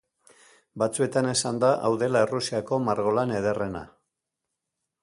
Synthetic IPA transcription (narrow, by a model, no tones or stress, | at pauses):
bat͡sue̞t̪ane̞sand̪aʔawðe̞laerusiako̞maɾɣo̞lane̞ð̞e̞re̞na̰